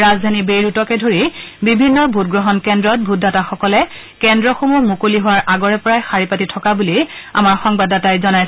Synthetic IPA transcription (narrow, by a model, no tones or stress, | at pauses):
azdʱanibejɹutɔkɛdʱoɹibibʱinːɔbʱut̚ɡɹɔɦɔnkɛndɹɔt̚bʱut̚dataxɔkɔlɛ | kɛndɹɔxomumukoliɦʊwaɹʔaɡɔɹɛpɔɹajxaɹipatitʰɔkabulia̰maɹxɔŋbadatajzɔnaj